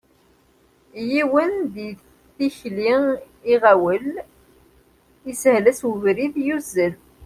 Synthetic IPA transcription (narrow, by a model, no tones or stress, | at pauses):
jiwənði | θiçli | iʁæwəl | ishlæswəvɾiðjuzəl